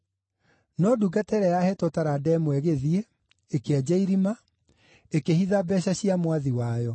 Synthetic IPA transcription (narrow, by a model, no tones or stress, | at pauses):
nɔduɡatɛɾɛjahɛtotaɾadɛmwɛɣeðie | ekead͡ʑɛiɾima | ekehiðabɛɕaɕiamwaðiwaːjɔ